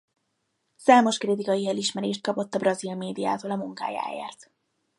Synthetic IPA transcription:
saːmo̞ʃkrit̪ikɒjiɛliʃmɛɾeːʃt̪̚kɒpo̞t̪ːɒbrɒzilmeːd̪ija̰ːt̪oːlɒmuŋka̰ːja̰ːjḛːrt̪

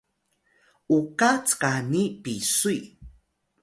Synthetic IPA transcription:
ʔukat͡skanipisui

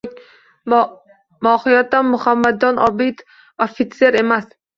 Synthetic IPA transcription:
mɒhɪjat̪ːanmʊhamːad̪̚ɒnɒbɪt̪ | ofit̪se̞ɾe̞mas

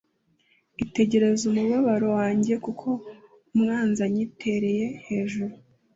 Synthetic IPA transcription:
ite̞ɟe̞ɾe̞zumuβaβaɾowaːɲɟe̞kukʰo̞ | mŋaːnzaɲitʰe̞ɾe̞je̞he̞ːʒuɾu

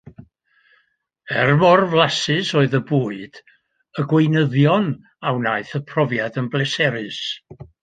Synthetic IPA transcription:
ɛrmɔrvlˠasɨsoːɨðəbuːɨd̥ | əɡwejnəðjɔn | awnaɨθəpʰrɔvjadənblɛsɛɾɨs

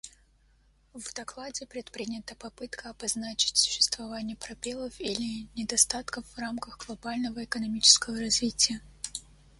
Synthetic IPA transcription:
vd̪ɐklˠadʲɪpɾʲɪt̪pɾʲinʲɪt̪əpɐpɨt̪kʰəɐbɐznat͡ɕɪ̥tʲsʊ̥ɕːɪ̥st̪vɐvanʲɪjəpɾɐbʲelˠəfilʲɪnʲɪd̪ɐst̪at̪kəfːramkəxɡlˠɐbalʲnəvəɪkənɐmʲit͡ɕɪ̥skəvəɾɐzvʲitʲɪjə

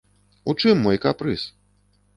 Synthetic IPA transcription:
ut͡ʂɨmːɔjkapɾɨs

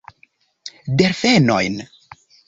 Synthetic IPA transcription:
deɾfeno̰jn

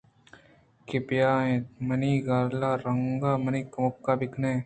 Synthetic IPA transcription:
kɪpjaːẽːt̪̚mɐniːɡaːɾlaːɾɐŋɡaːmɐniːkɐmʊkːaːbɪknẽː

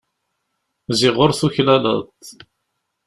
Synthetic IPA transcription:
zɪʁoɾθuçlælə̰t̪

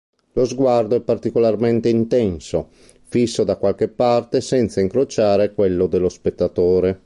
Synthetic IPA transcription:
lozɡward̪oɛpːart̪ikolarmɛnt̪eint̪ɛnso | fisːod̪akwalkepːart̪esɛnt̪saiŋkɾot͡ʃaːɾekwelːod̪elːospet̪ːat̪oːɾe

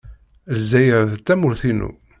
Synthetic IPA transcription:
lzæjəɾðt͡s̪ːæmʊɾθinṵ

